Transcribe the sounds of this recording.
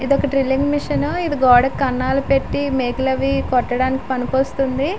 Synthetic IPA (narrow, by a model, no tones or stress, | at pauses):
id̪ɔkɐʈɾilːiŋɡmiʂɐnuid̪iɡɔːɽɐkːɐnːaːlupe̞ʈːimeːklɐʋikɔʈːɐɽaːniki̥pɐnipoːst̪und̪i